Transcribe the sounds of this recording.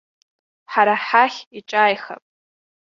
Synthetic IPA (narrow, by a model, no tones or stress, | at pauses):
ħaɾaħaχʲiʈ͡ʂʼajχa̰pʼ